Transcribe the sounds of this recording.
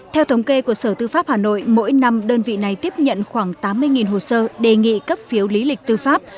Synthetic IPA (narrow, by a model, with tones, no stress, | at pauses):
t̪ʰɛ˧wt̪ʰə˨˦wŋ͡mke˧ku˧˩əsəː˧˩t̪ɨ˧faː˦˥p̚haː˨˩no̰˧˨jmo̰˧˥jna˧mɗəː˧nvḭ˧˨na˨˩jt̪i˦˥əp̚ɲə̰˧˨nxwaː˧˩ŋt̪aː˨˦mːɨ˧əjŋi˨˩nɦo˨˩səː˧ɗe˨˩ŋḭ˧˨kə˦˥p̚fi˨˦əwli˨˦lï˨˩k̟̚t̪ɨ˧faː˦˥p̚